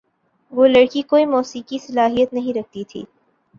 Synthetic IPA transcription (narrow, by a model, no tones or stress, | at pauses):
ʋoːlɐɽkikoːimɔːsiːkisɐlaːɦijət̪nɐɦĩɾɐk̚ʰt̪it̪ʰḭː